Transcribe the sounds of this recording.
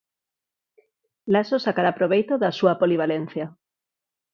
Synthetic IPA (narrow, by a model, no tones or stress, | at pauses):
lasosakaɾapɾoβ̞ejt̪oðasuapoliβ̞alen̟θja